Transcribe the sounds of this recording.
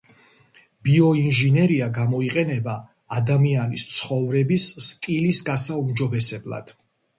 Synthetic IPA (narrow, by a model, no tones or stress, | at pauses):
b̥iɔinʒinɛɾiaɡamɔiqʼɛnɛbaː | d̪amianist̪sʰχɔvɾɛbisːt̪ʼilisɡasaumd͡ʒɔbɛsɛblˠa̰d̪̥